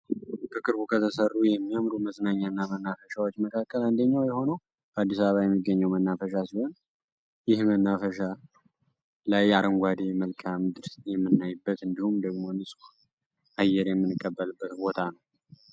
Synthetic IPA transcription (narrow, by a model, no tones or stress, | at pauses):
bəkʼɨɾbukʰət̪ʰəsərːujɛmːijamɾuməzʼnaɲːanːamənːafəʃawot͡ʃːməkʰakːəland̪əɲːawjɛho̞nəw | bʰəad̪ːisaβəβajɛmːiɡːəɲːəwmənːafəʃ̬asiho̞n | jɪhmənːafəʃa | lajaɾəŋɡʷad̪eməlkʰamd̪ɨɾsjɛmːɨnːajbːət̪ɨnd̪ihumd̪əɡmo̞nɨsʼu | ʔajːɛɾjɛmːɨnɨkʼːəbːəlɨbːət̪bo̞t̪ʰanəw